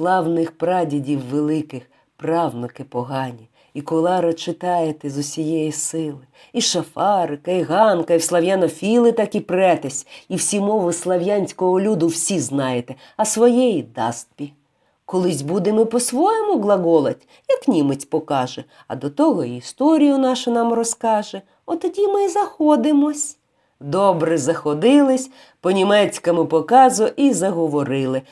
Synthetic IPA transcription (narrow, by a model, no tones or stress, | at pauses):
slˠɑwnɪxpɾɑdʲidʲiwːelˠɪkɪx | prɑwnɔkɪpɔɦɑnʲi | ikɔlˠɑɾɐt͡ʃɪt̪ɑjet̪ɛzʊsʲijɛjisɪlˠɪ | iʃɐfɑɾɪkɐiɣɑnkɐiwslˠɐwjanɔfʲilˠɪt̪ɑkipɾɛt̪ɐsʲiwsʲimɔʋɪslˠɐwjanʲsʲkɔɦɔlʲud̪ʊwsʲiznɑjet̪ɛ | ɐsʋɔjɛjid̪ɑst̪̚pʲi | kɔlˠɪsʲbud̪ɪmɪpɔsʋɔjɛmʊɡlˠɐɡɔlˠɐtʲ | jɐknʲimɪt͡sʲpɔkɑʒɛ | ɐ̰d̪ɔt̪ɔɦɔiist̪ɔɾʲijʊnɑʃɐnɑmrɔskɑʒɛ | ɔt̪ɔdʲimɪzɐxɔd̪ɪmɔsʲ | d̪ɔbɾɪzɐxɔd̪ɪlˠɪsʲ | pɔnʲimɛt͡sʲkɐmɪpɔkɑzʊʔizɐɦɔʋɔɾɪlˠɪ